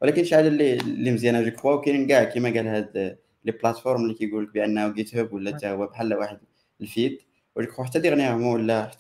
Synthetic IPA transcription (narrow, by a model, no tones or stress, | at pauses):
wəlækənʃaʕd̪ælːilːimzjænæʒəkxwæwkænɡæʕkimæɡælhæd̪ | liblæt̪foɾˤmlikijɡulək̚bʔænːæɡit̪hʊbwəlːæt̪æhwːæbħalːæwaħəd̪ | lfiːd̪ | wæʒəkxwħat̪ːæd̪iɣnihʊmwəlːæħ